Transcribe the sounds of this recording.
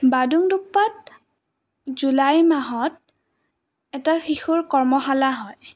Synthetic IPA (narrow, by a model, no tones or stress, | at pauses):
baduŋduk̚pat̚ | zulajmaɦɔt | ɛtaxixuɹkɔɹmɔxalaɦɔj